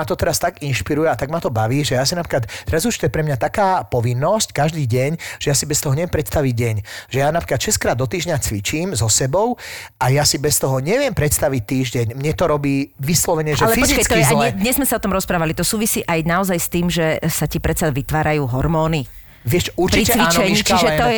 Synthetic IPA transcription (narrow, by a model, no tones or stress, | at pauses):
at̪ɔt̪ɛɾast̪aɡinʃpiɾujɛat̪aɡmat̪ɔbaʋiːʒɛjasinapɾikat̪t̪ɛɾazuʃt̪ɔjɛpɾɛmɲat̪akaːpɔʋinːɔsckaʒd̪iːɟɛɲʒ̥ɛjasibɛst̪ɔɦɔɲɛʋɛmpɾɛt̪st̪aʋiɟ̚ɟɛɲʒ̥ɛjanapɾikat̪ʃɛskɾaːd̪ːɔt̪iːʒɲat͡sʋit͡ʃiːmzɔsɛbɔʊʔajasibɛst̪ɔɦɔɲɛʋɪɛmpɾɛt̪st̪aʋic̚t̪iːʒɟɛɲmɲɛt̪ɔɾɔbiːʋislɔʋɛɲɛʒɛalɛfiɔzt͡ʃikat͡sk̪ɔjɛzalɛd̪ɲɛzmɛsaɔt̪ɔmɾɔspɾaːʋalit̪ɔsuːʋisiːʔajnaɔzajst̪iːmʒɛsacipɾɛt̪t͡saʋit̪ʋaːɾajuːɦɔɾmɔːni | ʋɪɛʃt͡ʃuɾt͡ʃpɾiit͡ɕɛt͡sʋit͡ʃɛɲiːt͡ʃiʒɛt̪ɔ